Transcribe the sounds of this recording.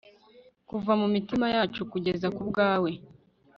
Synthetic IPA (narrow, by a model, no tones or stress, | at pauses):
kuvamumitimajaːt͡ʃukuɟe̞zakubɡaːwe̞